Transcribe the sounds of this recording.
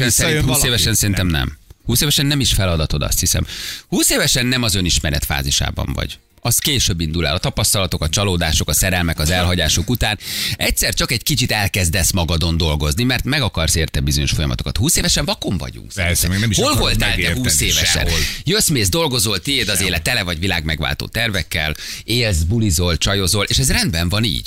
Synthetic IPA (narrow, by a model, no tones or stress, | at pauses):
ønsɛɾinhːeːvɛʃɛnsɛɾint̪ɛmnɛ̰mhuːseːvɛʃɛnːɛmiʃfɛlɒd̪ɒt̪o̞d̪ɒ̰st̪hisɛ̰mhuːseːvɛʃɛnːɛmɒzø̞niʃmɛɾɛ̰t̪fa̰ːziʃa̰ːbɒ̰ɱvɒ̰ɟ | ɒskeːʃøbːind̪ula̰ːlɒt̪ɒpɒst̪ɒlɒt̪o̞kɒt͡ʃɒloːd̪aːʃo̞kɒsɛɾɛlmɛkɒzɛlɦɒɟaːʃokut̪aːnɛc̚ʲsɛrt͡ʃɒkɛɟkit͡ʃit̪ɛlkɛzd̪ɛsmɒɡɒd̪o̞nd̪o̞lɡo̞znimɛrt̪mɛɡɒkɒrseːrt̪ɛbizo̞ɲo̞ʃfo̞jɒmɒ̰t̪okɒt̪huːseːvɛʃɛɱvɒko̞ɱvɒ̰ɟṵŋsɛɛɡnɛmiʃho̞lvo̞lt̪aːlt̪ɛhuseːvɛʃɛ̰njøsmeːzd̪o̞lɡo̞zolt̪ieːd̪ɒzeːlɛt̪ɛlɛvɒɟvila̰ːɡmɛɡva̰ːlt̪o̰ːt̪ɛrvɛkːɛleːlzbulizo̞lt͡ʃɒjo̞zo̞lʔeːʃɛzrɛnd̪bɛɱvɒnḭːɟ̥